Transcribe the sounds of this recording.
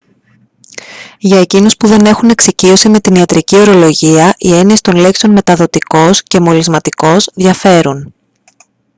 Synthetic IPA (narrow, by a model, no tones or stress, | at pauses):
ʝɐe̞cinuspuðe̞ne̞xune̞ksicio̞sime̞t̪iniɐt̪ɾicio̞ɾo̞lo̞ʝiɐʔie̞niest̪o̞nle̞ksionme̞t̪ɐðo̞t̪iko̞sce̞mo̞lizmɐt̪iko̞zðʝɐfe̞ɾun